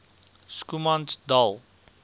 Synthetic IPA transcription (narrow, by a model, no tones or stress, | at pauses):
skumandalˠ